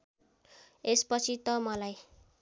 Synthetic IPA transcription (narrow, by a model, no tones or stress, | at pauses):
espʌt͡sʰit̪ʌmʌlaj